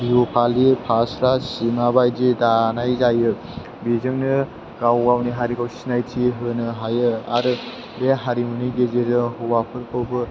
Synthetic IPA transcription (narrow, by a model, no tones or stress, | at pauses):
biopʰalipʰasɾasimabajd͡ʒidanajzajɯ | bizɯŋnɯ | ɡ̥awɡawniɦaɾikawsinajtʰiɦɯnɯɦajɯaɾɯ | beɦaɾimɯniɡezeɾɯhɔwapʰɯɾkʰɯwbɯ